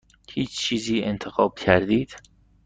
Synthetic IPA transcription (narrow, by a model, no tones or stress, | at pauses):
hiːt͡ʃt͡ʃʰiːziːent̪ʰexɒːb̥̚cʰæɾd̪iːd̪̥